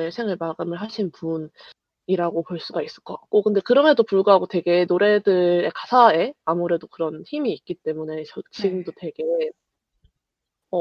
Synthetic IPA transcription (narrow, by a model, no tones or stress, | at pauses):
ɯsʰeŋɯɭmaɡɯmɯɭɦaɕʰinpun | iɾaɡopoɭs͈uɡais͈ɯ̥ɭk͈ʌkak̚k͈okɯnde̞kɯɾʌme̞dopuɭɡoɦaɡotwe̞ɡe̞noɾe̞dɯɾe̞kḁsʰae̞amuɾe̞dokɯɾʌnçimiːk̚k͈it͈e̞mune̞t͡ɕʌt͡ɕiɡɯmdotwe̞ɡe̞ | ʌ